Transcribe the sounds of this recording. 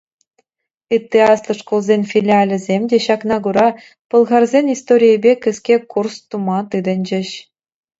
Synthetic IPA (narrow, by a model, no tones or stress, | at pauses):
ɯt̪ʲːeɑslˠɤ̆ʂkolˠzʲenʲfʲilʲiɑlʲɘ̆zʲemʲdʲeɕɑknɑɡuɾɑ | pɤ̆lˠʁɑrzʲenʲist̪oɾʲijəbʲekʲɘ̆skʲekurst̪umɑt̪ɯd̪ɘ̆nʲd͡ʑɘ̆ɕ